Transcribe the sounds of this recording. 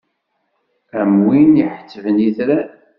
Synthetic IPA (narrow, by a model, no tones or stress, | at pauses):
əmwiniħə̥t͡sːəvənjiθɾæ